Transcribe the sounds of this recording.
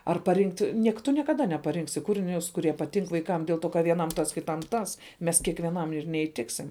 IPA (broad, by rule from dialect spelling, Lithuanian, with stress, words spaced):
ɐr pɐˈrʲɪŋktʲ ˈnʲiɛk tʊ nʲiɛkɐˈdɐ nʲɛpɐˈrʲɪŋksʲɪ ˈkuːrʲɪnʲʊs kʊˈrʲiɛ pɐˈtʲɪŋk ʋɐɪˈkɐm dʲeːlˠ ˈtoː kɐ ʋʲiɛˈnɐm ˈtɐs kʲɪˈtɐm ˈtɐs ˈmʲɛs kʲiɛkʋʲiɛˈnɐm ɪr nʲɛiːˈtʲɪksʲɪm